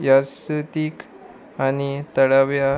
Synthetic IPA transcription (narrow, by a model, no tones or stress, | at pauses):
jaɾsut̪iːk | añit̪əɭaʋja